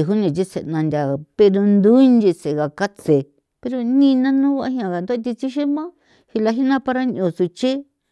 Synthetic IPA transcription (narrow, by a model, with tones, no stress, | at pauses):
ɦu˦nĩ˨t͡ʃi˦se˨nã˧nd̪ʲa˨pe˧ɾo˧nd̪u˦nd̪i˧se˨ɣa˨ka˦t͡se˨ | pe˧ɾo˧nĩ˦˧nã˦nũ˦βa˧a˦ɦĩ˧ã˧˨ɣa˨nd̪o˦t̪i˧t͡ʃi˦ʃi˦mã˦ | hi˧la˧ɦi˦nã˦pa˧ɾa˦ɲ˧õ˨su˧t͡ʃe˦